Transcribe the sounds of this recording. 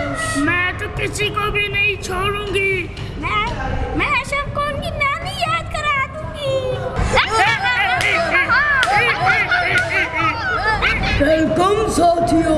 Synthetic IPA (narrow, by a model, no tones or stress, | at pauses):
mɛ̃ːt̪okɪt͡ʃikobʱimeit͡ʃʰoːɽũːŋɡiː | mɛ̃mɛ̃ʃəmkoːnkinaːnijaːd̪kəɾaːt̪ũːɡi | oːikomsoːt̪ʰijoː